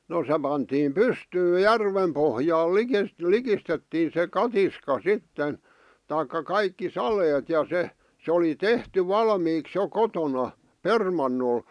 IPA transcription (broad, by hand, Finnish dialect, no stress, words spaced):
no se pɑntiːm pystyː jærʋem pohjɑːl likes likistetːiːn̞ se kɑtiskɑ sitːen tɑikːɑ kɑikːi sɑleːt jɑ se sĕ oli tehty ʋɑlmiːks jo kotonɑ permɑnːol